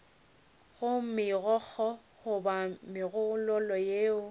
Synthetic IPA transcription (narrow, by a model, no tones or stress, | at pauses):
ɣʊmɪɣɔk͡xʰɔ | hʊbamɪɣʊlɔlɔjeːʊ